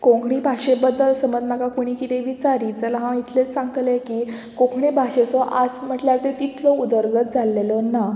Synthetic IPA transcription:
kõŋɡʰɳibʱaʂebəd̪əlsəməd͡zmakakoɽ̃iːkit̪eʋit͡saɾiːt͡səlaɦãit̪ʰlet͡ssãŋɡət̪ljekiː | kõkʰɳibʱaʂesɔʔad͡zm̤əʈljaɾt̪et̪it̪ʰlɔud̪əɾɡət̪̚d͡zʱalːelɔna

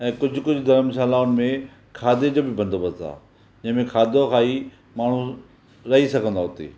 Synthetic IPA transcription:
ɛ̃ːkʊd͡ʑʱʊ̆kʊd͡ʑʱʊd̪ɐɾəmsaːlaːʊnɪ̆mẽ | kʰaːd̪ed͡ʑoːbɪbɐ̃nd̪oːbəzt̪ʰa̰ː | d͡ʑɐ̃ɦɪ̃mẽkʰaːd̪okʰaːi | maːɳ̤u | ɾɐɦisɐɡʱə̃nd̪aɦʊt̪ḭː

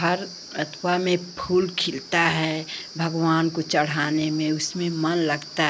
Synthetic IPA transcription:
əɾ | ət̪ʰwamẽpʰuːlkʰɪlt̪aɦɛbʱɐɡʋaːnkot͡ʃəɽ̤aːnemẽʊsmẽmɐnləɡt̪a

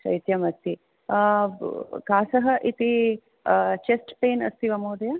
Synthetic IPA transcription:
ʃɐ̰jt̪jɐmɐst̪i | kaːsɐɦɐʔit̪i | t͡ʃesʈpeːnɐ̰st̪iʋɐmoːd̪ɐjɐ

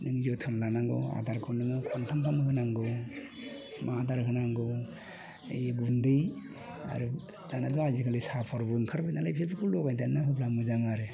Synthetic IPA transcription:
nɯŋziɔtʰɯnlanaŋɡɔ̰a̰daɾkʰɔnːɯŋɯkʰɔntʰampʰamɯkɯnaŋɡɔ | mʔadaɾkʰɯnaŋɡɯ | jɡundɯj | a̰ɾɯ | danadɔazikʰalisapʰɔɾbɯŋkʰaɾbajnalajpʰepʰikʰulɔkajdanahʰɯpʰlamɯzaŋaɾe

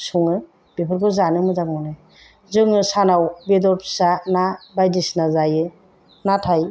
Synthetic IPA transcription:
suŋɯ | b̥epʰɯɾkʰɯzanɯmɯzaŋɔnɯ | zɯŋɯsanawbedɔɾpʰsanabajdisnazajɯ | natʰaj

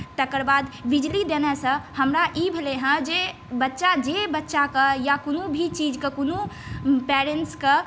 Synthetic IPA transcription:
t̪əkəɾbad̪bid͡ʒlid̪enɛsə̃həmɾaʔibʱeleɦə̃d͡ʒe | bətːʃad͡ʒebətːʃakəjakonubʱit͡ʃid͡ʒkekonupɛɾeɳʈskə

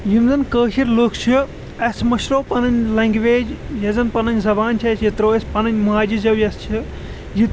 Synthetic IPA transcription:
jimzɐnkəːkʰiɾloːkʰt͡ʃʰi | ɐsmɐʃɾoːpɐnɐnʲlɐŋɡʋeːd͡ʒjɐzɐnpɐnɐnʲzɐbaːnt͡ʃʰɐsjit̪ɾoːɐsʲpɐnɐnʲmuɦaːd͡ʒizɐwjɐst͡ʃʰi | jit̪

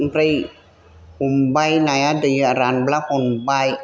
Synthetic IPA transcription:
ɾij | humbajnajadɯjɯaɾanblahonbaj

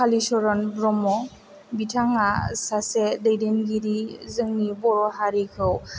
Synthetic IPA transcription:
kʰalisɔɾɔnbɾɔmɔ | bitʰaŋasasedajdenɡiɾizɯŋnibɔɾɔɦaɾikʰɯw

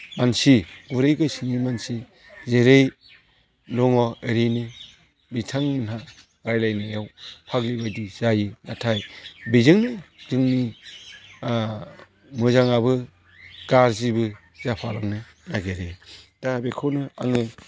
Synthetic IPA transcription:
mansiɡuɾejɡɯsiŋimansi | zeɾej | lɔŋɔeɾenɯ | bitʰaŋɯnɦa | ɾajlajnajawpʰaɡlibajdizajɯnatʰajbizɯŋnɯzɯŋni | mɯzaŋaβɯ | ɡ̥aɾzibɯ | z̥apʰalaŋnɯ | naɡeɾed̥abekʰɔnɯa̰ŋɯ

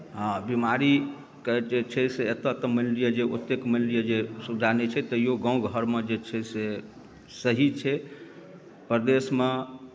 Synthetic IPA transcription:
ɦãbimaɾi | ked͡ʒet͡ʃʰɛseet̪ət̪əməllijəd͡ʒeot̪ːekməllijəd͡ʒesud͡ʒanet͡ʃʰɛt̪əijoɡə̃w̃ɡʱəɾmed͡ʒet͡ʃʰɛse | səɦit͡ʃʰɛ | pɾəd̪esme

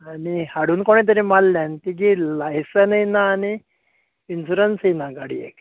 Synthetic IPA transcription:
anihaɽ̤uːnkoɳ̃et̪̬əɾimalːjãnt̪ik̬ilajsənəjnaːni | insuɾənsinaɡaɽḭḛk

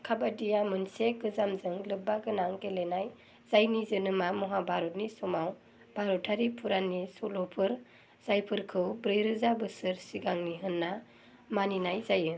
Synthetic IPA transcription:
kʰabadijamɯnsekɯzamzɯŋlɯbːaɡɯnaŋkelenaj | z̥ajnizɯnɯmamɔɦabʱaɾɔt̚nisɔmaw | b̥ʱaɾɔtʰːaɾipʰuɾanisɔlɔpʰɯɾ | z̥ajpʰɯɾkʰɯwbɾɯjɾɯzabɯsɯɾsiɡaŋniɦɯnːa | maninajzajɯ

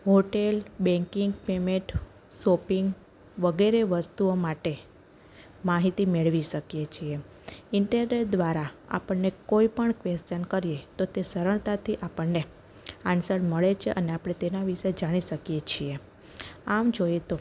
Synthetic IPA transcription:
ɦoʈelbɛ̃ŋkiŋɡpemẽʈ | sopiŋɡ | ʋəɡeɾeʋəst̪uomaʈe | maɦit̪imeɭʋiʃəkjet͡ʃʰie | ɪɳʈəɾneʈ̚d̪ʋaɾaa̰pəɳnekoipəɳkʋest͡ʃənkəɾijet̪ot̪esəɾəɳt̪at̪ʰiʔapəɳːe | ansəɽməɭet͡ʃʰḛʔəneapɽ̃et̪enaʋiʃed͡ʒaɽ̃iʃəkijet͡ʃʰie | amd͡ʒojet̪o

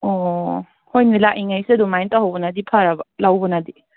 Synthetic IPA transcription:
ɔ | hojnilaʔiŋajsiɐdumajntaɦawbɐnadipʰaɾabɐlawbɐnadi

